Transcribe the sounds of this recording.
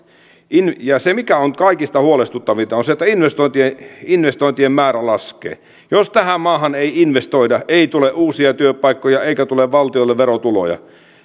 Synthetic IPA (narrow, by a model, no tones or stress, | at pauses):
injɑsemikæonkɑikist̪ɑhuolest̪ut̪ːɑʋit̪ɑonset̪ːæinʋest̪oint̪ieinʋest̪oˑint̪iemmæːɾælɑskˑḛː | jost̪æhæmmɑːhɑneiinʋest̪oidɑʔeˑit̪uleʔuːsiɑt̪yøpɑikːojɑeikæt̪uleʋʋɑlt̪iolːeʋʋeɾot̪ulo̰jɑ̰